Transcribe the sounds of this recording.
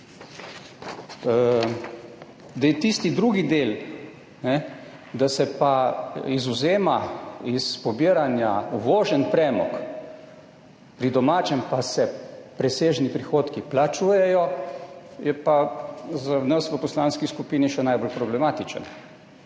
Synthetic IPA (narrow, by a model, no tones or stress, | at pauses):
d̪ajɛt̪ist̪id̪ɾuɡid̪el | nɛ | d̪asɛpaizʊzeːmaispɔbiəɾanjaʋoːʒənpɾɛmɔ̰k | pɾid̪ɔmaːt͡ʃɛmpasɛpɾɛseːʒnipɾixoːt̪kiplat͡ʃujɛjɔ | jɛpazanəsʋəpɔslaːnskiskupiːniʃɛnajbolpɾɔblɛmaːt̪it͡ʃə̰n